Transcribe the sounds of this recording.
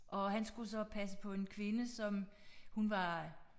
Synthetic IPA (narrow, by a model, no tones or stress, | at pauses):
ʔɒ̽ɦænsɡ̥usɒ̽pʰæsə̥pʰɒ̽e̝nkʰʋe̝nəsɒ̽mhunʋɑ̈